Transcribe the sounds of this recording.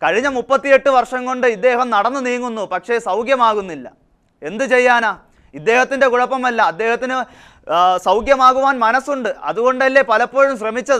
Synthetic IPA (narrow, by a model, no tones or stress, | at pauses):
kɐɻiɲːɐmupːɐt̪ːije̞ʈːɨʋɐrʂɐŋko̞ɳɖɨid̪ːe̞ːhɐmnɐɽɐnːɨniːŋːunːupɐkʂe̞sɐwɡjɐmaːɣunːilːɐ | e̞nd̪ɨt͡ɕe̞jːaːnaː | id̪ːe̞ːhɐt̪ːinde̞kuɻɐpːɐmɐlːɐːd̪ːe̞ːhɐt̪ːinɨ | sɐwɡjɐmaːɣuʋaːnmɐnɐsuɳɖɨɐ̰ðuɣo̞ɳɖɐlːe̞pɐlɐpːo̞ːɻumɕrɐmit͡ɕːɐðɨ